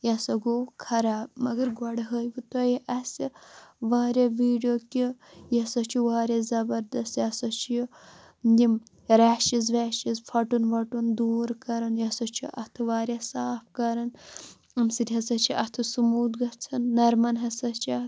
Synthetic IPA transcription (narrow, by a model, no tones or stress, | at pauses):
jɐsɐɡoːkʰɐɾaːbmɐɡɐɾɡwɐɽɦəjɡit̪ojiʔɐsiʋaːɾʲaʋiːɖijokijɐsɐt͡ʃʰiʋaːɾʲɐzɐbɐɾd̪ɐst̪jasɐt͡ʃʰiji | nd̪ʲim | ɾaːʃizʋaːʃizpʰɐʈunʋɐʈund̪uːɾkɐɾɐnjɐsɐt͡ʃʰiʔɐt̪ʰɨʋaːɾjasaːfkɐɾɐn | ɐmsiɾʲɦɐsɐt͡ʃʰiʔɐt̪ʰɨsumuːd̪ɡɐt͡sʰɐnːɐɾmɐnɦɐsɐt͡ʃʰiɐ